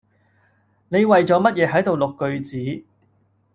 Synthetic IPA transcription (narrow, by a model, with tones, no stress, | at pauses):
ne˨˧jwɐ˨jt͡sɔː˨˥mɐ˥t̚jɛː˨˧ɦɐ˨˥jt̪o˨wlʊ˨kːɵ˧ɥt͡siː˨˥